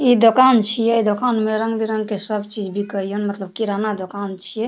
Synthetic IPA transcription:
id̪okant͡ʃʰijɛd̪okanmeɾə̃ŋɡbiɾə̃ŋɡkesəbt͡ʃid͡ʒbʱikəijənmət̪ləb̚kiɾanad̪okant͡ʃʰijɛ

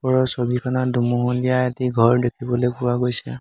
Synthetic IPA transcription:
pɔɹɔsobikʰɔnadumuɦulijaɛtiɡʱɔɹdekʰibɔlojpʊwaɡojsɛ

